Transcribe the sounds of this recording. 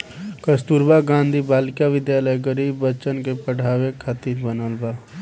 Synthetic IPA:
kəst̪uːɾbaɡãːnd̪ʱibaːlkjaʋɪd̪jaːləjɡəɾiːbːət͡ʃənkepəɽ̤ʱaːʋekʰat̪iɾbənəlbaː

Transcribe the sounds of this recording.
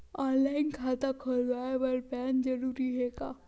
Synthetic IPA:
ɔ̃nlainkʰat̪akʰəɾʋaʋəɾpɛnd͡ʒəɾuːɾiɦeka̰ː

